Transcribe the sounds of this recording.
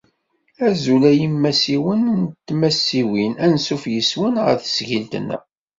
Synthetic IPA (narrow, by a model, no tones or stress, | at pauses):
æzulæjimːæsiwənnt̪ːmæsːiwinænsufjəswənʁə̰θə̥sʝilt̪ə̰nːæ̰